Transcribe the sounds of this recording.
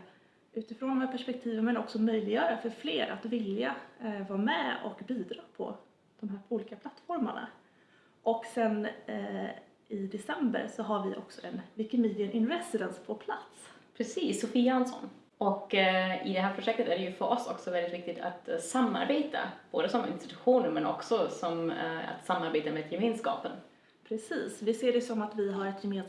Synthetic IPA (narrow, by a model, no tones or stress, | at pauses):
ʉ̟ːt̪ɪfɾoːnd̪ɔmæːpʰæʂpɛk̚t̪ʰiːvənmɛnɔksɔmœjlɪɡjœːɾafœɾfleːɾat̪vɪljavɑːmɛɔ̰kbiːd̪ɾɑːpʰɔ̰ | d̪̥ɔmɦæːuːliːkapʰlat̪ːfɔɾma̰ɳa̰ | ʔɔksɛn | ɪd̪ɛsɛmbə̰ɾsɔɦaɾvɪʔɔ̰ksɔʔɛnvɪkɪmiːd̪ɪənʔɪnɾɛsɪd̪ɛnspʰɔpʰlat̪spʰɾɛsiːsːʊfiːaansɔ̰n | ɔkɪd̪ɛɦæːɾpʰɾʊʂɛk̚t̪ət̪æɖɛjɵfœɾʔɔsɔ̰ksɔvɛld̪ɪt̪vɪk̚t̪ɪɡt̪ʰa̰t̪samːa̰ɾbeːt̪ʰa̰b̥oːd̪əsɔmɪ̰nst̪ɪt̪ɵɧuːnəɾmɛnʔɔ̰ksɔsɔma̰t̪samːaɾbeːt̪ameːd̪jɛmeːnskɑ̰ːpən | pʰɾɛsiːsvɪseːɖɛsɔmat̪vɪɦaɾɛt̪jɛmeːn